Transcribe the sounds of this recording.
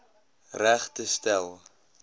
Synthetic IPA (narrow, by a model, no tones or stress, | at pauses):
ræχtəstælˠ